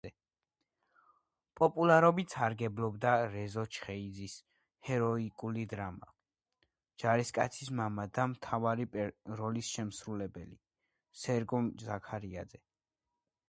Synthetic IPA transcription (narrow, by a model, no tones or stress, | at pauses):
pʼɔpʼulˠaɾɔbit̪saɾɡɛblˠɔbd̪aɾɛzɔt͡ʃʰχɛid̪zis | hɛɾɔikʼulid̪ɾama | d͡ʒ̥aɾiskʼa̰t̪sʰismamad̪amt̪ʰavaɾipʼɾɔlisʃɛmsɾulɛbɛli | sɛɾɡɔmzakʰaɾiad̪zɛ